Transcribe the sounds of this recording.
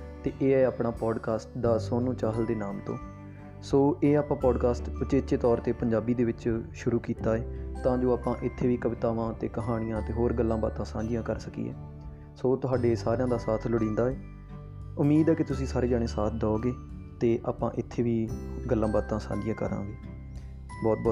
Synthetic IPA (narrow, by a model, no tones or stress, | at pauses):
t̪eːʔeːɛːaːpɳaːpɔːɖkaːsʈd̪aːsoːnũːt͡ʃaːɦəld̪eːnaːmt̪õ̰ː | soːʔeːaːpãːpɔːɖkaːsʈʊt͡ʃeːt͡ʃːeːt̪ɔːɾt̪eːpəɲd͡ʒaːbiːd̪eːʋɪt͡ʃʃʊɾuːkiːt̪aːeːt̪ãːd͡ʒoːaːpãːʔɪt̪ʰːeːʋiːkəʋɪt̪aːʋãːt̪eːkəɦaːɽ̃ɪjãːt̪eːɦoːɾɡəlːãːba̰ːt̪ãːsãːd͡ʒɪjãːkəɾsəkḭːɛ̰ː | soːt̪ʊɦaːɖeːsaːɾejãːd̪aːsaːt̪ʰlʊɽĩːnd̪aːɛː | ʊmːiːd̪ɛːkɪt̪ʊsĩːsaːɾeːd͡ʒaːɽ̃eːsaːt̪ʰd̪ɔoːɡeː | t̪eːʔaːpãːʔɪt̪ʰːeːʋiːɡəlːãːbaːt̪ãːsã̰ːd͡ʒɪjãːkə̰ɾã̰ːɡeː | bɔːt̪̚bɔː